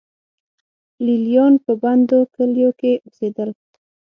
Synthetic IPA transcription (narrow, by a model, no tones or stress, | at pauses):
liljɑnpəband̪okəljokeʔosed̪əl